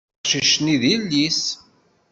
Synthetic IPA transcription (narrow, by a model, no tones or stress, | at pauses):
ʃiʃniðilːis